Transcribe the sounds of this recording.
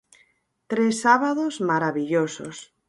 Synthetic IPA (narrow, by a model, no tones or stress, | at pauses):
t̪ɾesaβaðozmaɾaβiʎoso̰s